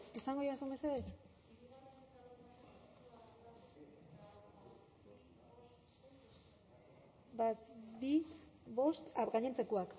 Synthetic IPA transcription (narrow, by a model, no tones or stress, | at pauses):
esaŋɡojeasombe̞seðeɾ | bat̪βiβo̞st̪aɡaɲent͡sekoak